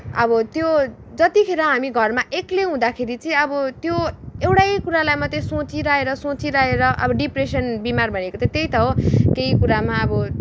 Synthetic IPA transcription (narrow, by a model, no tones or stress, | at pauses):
ʌbʌt̪jo | d͡zʌt̪ikʰeɾʌ̃ɦamiɡʱʌrmaʔekleɦũd̪akʰeɾit͡sʌĩʌbʌt̪joewʈajkuɾalajmʌt̪ʌ̃sot͡siɾaeɾʌsõt͡siɾaɦeɾʌʔʌ̰bʌɖipresʌnbimarbʱʌnekot̪ʌ̃t̪ejt̪ʌɦokeikuɾamaʌbʌ